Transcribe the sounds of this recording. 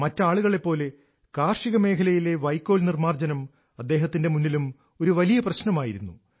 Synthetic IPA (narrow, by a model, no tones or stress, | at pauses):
mɐtːaːɭuɣɐɭe̞pːo̞ːle̞ | kaːrʂiɣɐme̞ːkʰɐlɐjile̞ʋɐjkːo̞ːlnirmaːrd͡ʑɐnɐm | ɐd̪ːe̞ːɦɐt̪ːinde̞munːilum | o̞ɾuʋɐlijɐprɐɕnɐmaːjiɾunːu